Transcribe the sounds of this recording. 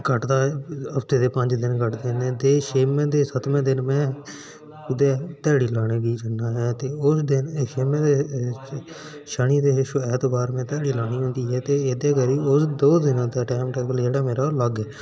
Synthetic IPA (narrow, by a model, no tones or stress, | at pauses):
kəʈd̪aːəpʰt̪eːd̪eːpəɲd͡ʒd̪ɪnkəʈd̪ẽːnẽːd̪eːʃeːmẽːd̪eːsət̪mẽːd̪ɪnmɛ̃ː | ʊd̪ɛːt̪ɛːɽiːlaːɽ̃eːɡiːd͡ʒənːaːɦɛːt̪eːʊsd̪ɪnʃeːmẽːd̪eː | ʃəɽ̃iːd̪eːʃoɛːt̪ːbaːɾmɛ̃ːt̪ɛːɽiːlaːɽ̃iːɦõnd̪iːɦɛːt̪eːeːd̪eːkəɾiːʊsd̪oːd̪ɪnãːd̪aːʈɛːmʈɛːkəld͡ʒeːɽaːmeːɾaːləɡɛː